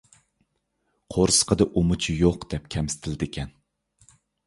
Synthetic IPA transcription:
qʰoɾsə̥qʰəd̪ɨʔumut͡ʃʰijoqd̪̥ɛp̚kʲʰɛmsɪ̥t̪ʰɪlɪd̪ɪkʲʰɛn

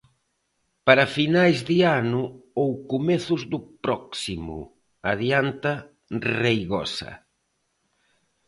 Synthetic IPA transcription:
paɾafinajzðɪanʊowkumɛθʊzðʊpɾɔksimʊ̰ | aðjant̪ɐ | rejɣɔ̰sɐ̰

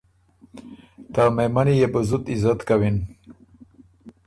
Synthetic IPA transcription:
t̪amejmanijebəzut̪izat̪kawin

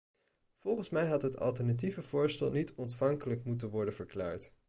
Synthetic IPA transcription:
v̥ɔlˠχənsmɛjɦɑtɦətɑ̰lˠtɛɹnativəvʊːɹstɛ̰lˠnitɔntfɑŋkələkmutənʋɔɹdənvəɹkla̰ːɹt

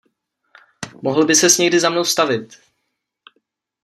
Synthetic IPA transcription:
moɦl̩bɪsɛsɲɛɡdɪzamno̞wst̪avɪt̪

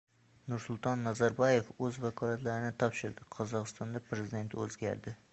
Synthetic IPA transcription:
nʊɾsʊlˠt̪ʰɒnːazaɾbɒje̞fɵzvakʰɒlˠat̪laɾɪnɪt̪ʰɒpʃɪɾd̪ɪqʰɒzɒqɨst̪ɒnd̪apʰɾezɪd̪e̞nt̪ʰɵzɡʲa̰ɾd̪ɪ

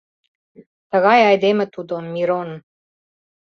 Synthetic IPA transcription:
t̪ə̆ɣɑjɑjd̪emɘ̆t̪ud̪onmiɾon

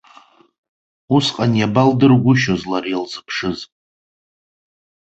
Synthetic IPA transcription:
usqʼanjabaldɨrɡʷʊʃozlarjalzɨpʰʂɨz

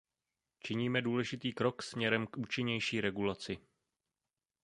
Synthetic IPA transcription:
t͡ʃɪɲiːmɛduːlɛʒɪt̪iːkɾo̞ksmɲɛɾɛmkʔuːt͡ʃɪɲɛjʃiːɾɛɡulat͡sɪ

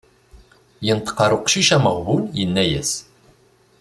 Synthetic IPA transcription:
jənt̪ə̥qːɑɾˤuqʃiʃæməʁvunjənːæjæ̰s

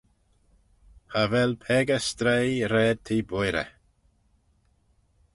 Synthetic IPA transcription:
havɛlpʰɛːɡəst̪ɾejɾɛːd̪̚t̪ʰiːbojɾə̰

